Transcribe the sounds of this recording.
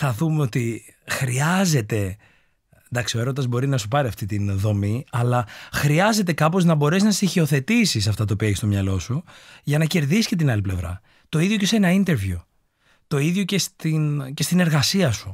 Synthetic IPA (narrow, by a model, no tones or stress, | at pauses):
θɐðumeo̞t̪i | xɾiɐze̞t̪e̞ | nd̪ɐksio̞e̞ɾod̪ɐzbo̞ɾinɐsupɐɾiɐft̪it̪inðo̞miɐlɐxɾiɐze̞t̪̬ekɐpo̞znɐbo̞ɾe̞znɐst̪içio̞θe̞t̪isis̬ɐft̪ɐt̪oːpiɐeçst̪omɲɐlo̞suʝɐnɐce̞ɾðisi̥ce̞t̪inɐliple̞vɾɐ̰ | t̪o̞iðʝo̞ce̞senɐint̪e̞ɾvju | t̪o̞iðʝo̞ce̞st̪ince̞st̪ine̞ɾɣɐsiɐsu